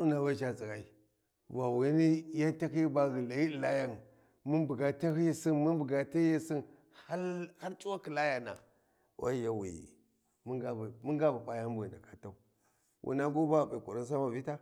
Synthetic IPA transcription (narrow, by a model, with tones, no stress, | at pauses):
u˦na˨ba˦ʃa˦zi˨ɣa˨i˦ | va˨wi˨˦ni˦ja˦nta˦ki˦ba˦ɣi˨la˨ji˦di˨la˦ja˦˨n | mu˦nbu˨ɡa˨ta˦hi˦ji˦si˦nmu˦nbu˨ɡa˨ta˦je˦si˦n | ha˦ha˦ɾt͡ʃʼu˦wa˦ki˨la˦ja˨na̰˨ | wa̰˦ja˦wḭ˨jḭ˨ | mi˦ɡa˦bmu˦ŋɡa˦ba˨pa˦ja˦m˦bḭ˨na˨ka˦ta˦u˨˦ | wʔṵ˨na˦ɡo˦ba˦˨ɓi˨ku˨ɾi˦n˦s̬a˦ma˨vi˦ta˦